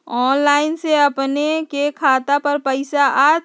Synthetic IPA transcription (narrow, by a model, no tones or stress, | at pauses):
ɔːnlaːɪnseəpnekekʰaːt̪apəɾpəɪsaʔa